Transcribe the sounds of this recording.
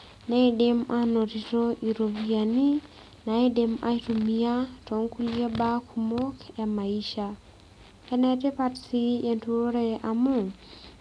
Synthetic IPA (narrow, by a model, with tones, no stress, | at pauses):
na˦i˦dɪ˦ma˦no˨ti˨to˦ʔi˨ɾo˨bia˨ni˦ | na˨i˦de˦ma̰˦i˦tu˨mia˦tɔ˨ŋku˦lia˦ba˦kʰu˨mo˦kɛ˨ma˨iʃa˨ | ɛ˦nɛ˦tɛ˦patsi˦e˨ntu˦o˦ɾe˨ʔa˨mʊ˨